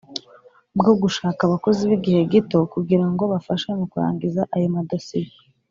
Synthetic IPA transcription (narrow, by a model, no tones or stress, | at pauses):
bɡo̞ɡuʃaːkaβako̞ziβiɡihe̞ɡito̞kuɡiɾaŋɡo̞βafaʃemokuɾa̰ːŋɡizaʔajomadasiji